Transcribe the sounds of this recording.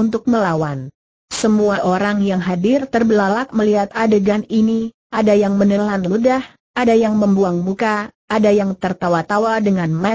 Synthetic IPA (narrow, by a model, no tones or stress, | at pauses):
unt̪ʊk̚məlawan | səmuaʔoɾaŋjaŋɦadɪrt̪ərbəlalak̚məliɦat̪adəɡanini | ʔadajaŋmənəlanludah | ʔadajaŋməmbuaŋmukaʔːdajaŋt̪ərt̪awat̪awadəŋanmɛ